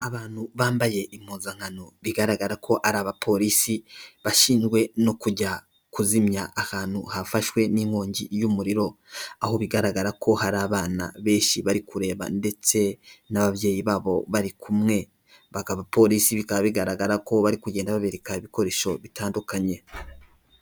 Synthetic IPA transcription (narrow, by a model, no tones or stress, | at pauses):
aβaːn̥huβaːmbaje̞ʔimuːzaŋ̥ano̞βiɡaɾaɡaɾakʰo̞ʔaɾaːβapʰo̞ɾisiβaʃiːnd͡ʒɡwe̞no̞kuɟa | kuzimjaʔːhaːnhuhafaʃwe̞niŋhoːɲɟijumuɾiɾo̞aho̞βiɡaɾaɡaɾako̞haɾaːβaːna̰βe̞ːʃiβaɾikuɾe̞ːβa̰nde̞t͡se̞naβaβje̞ːjiβaːβo̞βaɾikʰumŋe̞ | βakaβapo̞ɾisiβikaβaβiɡaɾaɡaɾako̞βaɾikuɟe̞ːndaβaβeɾekaiβiko̞ɾe̞ʃo̞βitaːndukaɲe̞